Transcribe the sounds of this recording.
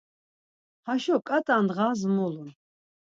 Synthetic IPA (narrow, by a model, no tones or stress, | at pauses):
haʃɔkʼat̪ʼand̪ʁaːzmɔlun